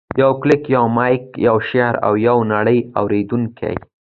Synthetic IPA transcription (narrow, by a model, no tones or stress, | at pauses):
jawklɪkjawmɑjkjawʃeɾa̰wjawnaɽəja̰wɾed̪uŋkʰa̰j